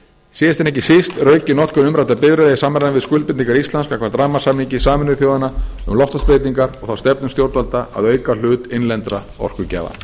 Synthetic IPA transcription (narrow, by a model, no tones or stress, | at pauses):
sɛɛst̪ɛnɛhcɪsɪst̪rœːɥcɪnɔht̪kʏmʏmɾajt̪apɪvɾɪðeːjsaːmːaɾnavɪðskʏlpɪniŋkaɾist̪lanskakvaɾt̪ɾaːmasaːmniŋcɪsaːmɪnʏɪθjoːwðanaʏ̰mlɔht̪aspɾeːjt̪iŋkaɾɔɣθawst̪ɛpnʏmst̪jowɾt̪valt̪aa̰ðœːɥkal̥ʏːt̪ɪnlɛnt̪ɾa̰ | ɔ̰r̥kʏcɛ̰ːva̰